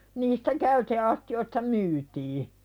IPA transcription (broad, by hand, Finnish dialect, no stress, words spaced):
niːstæ kæyteɑstioistɑ myːtiː